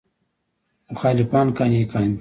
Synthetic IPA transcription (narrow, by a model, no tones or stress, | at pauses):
mʊxaːlifaːnkanʲiːkaːnʲ